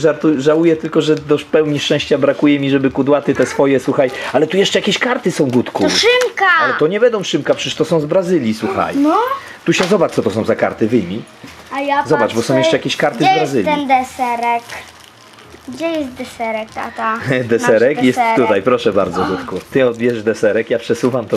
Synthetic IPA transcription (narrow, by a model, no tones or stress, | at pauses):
ʐaɾt̪uʐawujɛt̪ɘlkɔʐɛd̪ɔfpɛwɲiʂt͡ʂɛ̃ɕt͡ɕabɾakujɛmʲiʐɛbɘkud̪wat̪ɘt̪ɛsfɔjɛswuxajalɛt̪ujɛʂt͡ʂɛjakʲeɕkaɾt̪ɘsɔ̃w̃ɡut̪kuʂɘmkaalɛt̪ɔɲɛbɛnd̪ɔ̃w̃ʂɘmkapʂɛʂt̪ɔsɔ̃w̃zbɾazɘlʲjiswuxa̰jnɔ | t̪uɕɛzɔbaɔt̪ɔsɔ̃w̃zaka̰ɾt̪ɘvɘjmʲi | ajazɔbaʐbɔsɔw̃jɛʂt͡ʂɛjakʲeɕkaɾt̪ɘzbɾazɘlʲɛnd̪ɛsɛɾɛk | ɡd͡ʑɛjɛst̪d̪ɛsɛɾɛkt̪a̰t̪ad̪ɛsɛɾɛkjɛst̪t̪ːut̪ajpɾɔʂɛba̰ɾd̪zɔɡut̪kut̪ɘɔd̪bʲjɛʐd̪ɛsɛɾɛkjapʂɛsuvamt̪ɔ